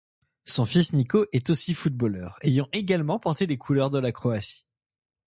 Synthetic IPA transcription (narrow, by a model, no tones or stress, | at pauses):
sɔ̃fisnikoʔɛt̪osifut̪̚bolœ̰ːʁejɑ̃ʔeɡalmɑ̃pɔʁt̪elekʰulœʁd̪əlakχɔasi̥